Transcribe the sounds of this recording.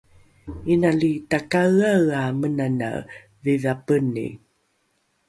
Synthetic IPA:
inalitakaɣawamənana̰ | vivapənḭ

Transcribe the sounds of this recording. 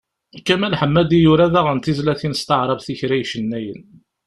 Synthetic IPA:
kːæmælħəmːæd̪ijuɾæðæʁənt̪izlæθinəst̪əʕɾˤɑvθiçɾæjʃənːæjən

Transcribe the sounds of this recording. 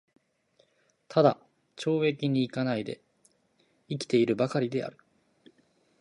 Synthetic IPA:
t̪ʰad̪a | t͡ɕo̞ːe̞kʲiɲ̟iːkanaid̪e̞̰ | ikʲi̥t̪e̞iɾɯ̟bakaɾʲid̪e̞a̰ɾɯ̟̥

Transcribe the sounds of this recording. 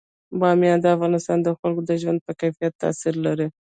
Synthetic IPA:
bɑmjɑd̪əafɣɑnɪst̪ɑnd̪əxalkod̪əʒwand̪̚pəkajfijat̪ːa̰siɾlaɾi

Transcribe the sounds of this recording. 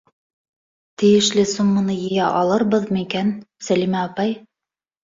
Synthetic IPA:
t̪ɘ̆jɘ̆ʃlɘsumːɤ̆nɤjɘ̆jæʔɑlˠɤɾbɤðmikænsælimæɑpɑj

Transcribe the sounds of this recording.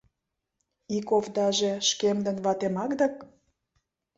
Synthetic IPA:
ikovd̪ɑʒĕʃkemd̪ə̆nβɑt̪emɑkd̪ɑk

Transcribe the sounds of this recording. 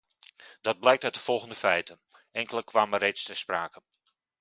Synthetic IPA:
d̥ɑd̚blɛjk̚tœtdəv̥ɔlˠɣəndəfɛjtən | ɛŋkələkʋaːmərejtstɛspraːkən

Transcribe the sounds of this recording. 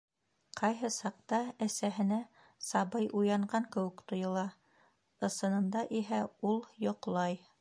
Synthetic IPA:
qɑjɦɤsɑq̚t̪ɑæsæɦɘ̆næ | sɑbɤjʔujɑɴɢɑŋkɘ̆wɘkt̪ŏjɤ̆lˠɑ | ɤ̆sɤ̆nɤ̆nd̪ɑʔiɦæulˠjŏqlˠɑj

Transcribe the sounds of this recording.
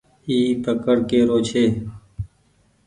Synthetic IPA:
iːt̪əkəɽkeːɾoːt͡ʃʰeː

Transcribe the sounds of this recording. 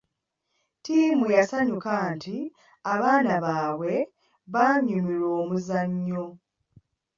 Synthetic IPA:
tiːmujasaɲukaːnti | aβaːnaβaːwe̞ | βaːɲumilo̞ːmuzaɲːo̞

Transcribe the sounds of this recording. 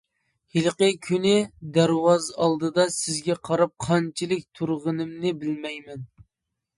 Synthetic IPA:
hilˠqəkʲʰynɪd̪æɾwɑzɑlˠd̪ɨd̪ɑsɪzɡʲɛqʰɑɾɑp̚qʰɑnt͡ʃʰilɪk̚ʲt̪ʰuɾʁənɨmnɪbɪlmɛjmɛn

